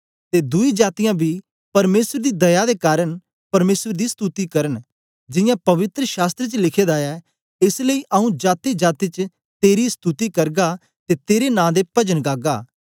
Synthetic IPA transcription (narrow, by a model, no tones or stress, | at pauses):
t̪ed̪ʊid͡ʒaːt̪ɪjãːbʱi | pɐɾmeːsəɾd̪id̪ɐjad̪ekaːɾən | pɐɾmeːsəɾd̪ist̪ut̪ikɐɾən | d͡ʒɪ̃jãpɐʋɪt̪ɾəʃaːst̪ɾet͡ʃlɪkʰeːd̪aɛ | ɪsləiʔɐũd͡ʒaːt̪ed͡ʒaːt̪it͡ʃ | t̪eːɾist̪ut̪ikɐɾɡa | t̪et̪eːɾenãːd̪epɐd͡ʒənɡaːɡaː